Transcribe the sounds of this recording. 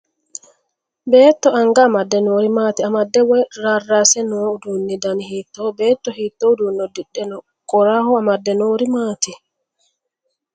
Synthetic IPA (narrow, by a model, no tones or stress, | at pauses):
bɛːtːɔaŋɡamadːɛnoːɾimaːtiamadːɛwɛɾarːasɛnɔdunːidanihitːɔbɛtːɔhitːɔdunːɔdiɗːɛnɔ | kɔɾahɔamadːɛnoɾimati